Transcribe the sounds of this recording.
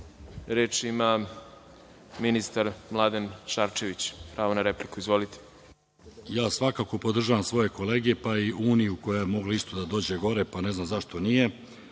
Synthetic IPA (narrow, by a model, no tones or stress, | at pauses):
ɾeːt͡ʃima | minist̪aɾmlˠad̪enʃaɾt͡ʃeʋit͡ɕpɾaːʋonaɾeplikuizʋolit̪e̥ | jaːsʋakaːko̞po̞d̪r̩ʒaʋamsʋo̞je̞ko̞le̞ːɡe̞paiʔuːnijuko̞jajmo̞ɡlaist̪o̞d̪ad̪o̞ːd͡ʑe̞ɡo̞ɾe̞pane̞znamzaʃt̪o̞nije̞